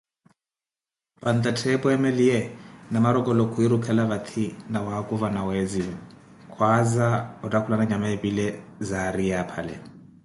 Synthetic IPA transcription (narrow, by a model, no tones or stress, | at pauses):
pant̪ʼatʰɛpʼɔɛmɛliɛnamaɾɔkʼɔlɔkʰuiɾukʰɛlaβat̪ʰinawakʼuvanawɛzi | kʰwazaɔtʼakʰulanaɲamaebilɛzaɾijapʰa̰lɛ̰